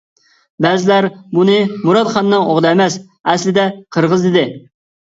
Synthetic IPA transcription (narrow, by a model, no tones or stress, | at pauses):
bɛzɪlæɾbunɨmuɾɑd̪χɑnːɨŋo̰ʁlˠɛmɛs | ɛslɪd̪ɛqʰəɾʁəzd̪ɪd̪ɪ